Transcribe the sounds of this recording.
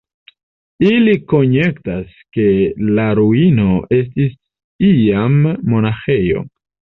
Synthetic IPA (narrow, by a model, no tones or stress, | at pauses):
iliko̞ɲe̞ktas | ke̞laɾuino̞e̞s̬tis | iamːo̞naxe̞jo̞̰